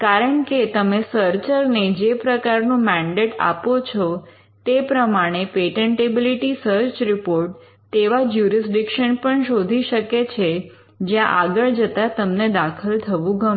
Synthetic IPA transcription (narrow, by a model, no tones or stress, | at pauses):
kaɾəɳket̪əmesəɾt͡ʃəɾned͡ʒepɾəkaɾnũmɛ̃ɳɖeʈa̰pot͡ʃʰɔ | t̪epɾəmaɽ̃epeʈeɳʈebiliʈisəɾt͡ʃɾipoɾʈ̚ | t̪eʋad͡ʒjuɾis̬ɖikʃənpəɳʃod̪ʱiʃəket͡ʃʰe | d͡ʒjãʔaɡəɭd͡ʒət̪at̪əmned̪akʰəlt̪ʰəʋũɡə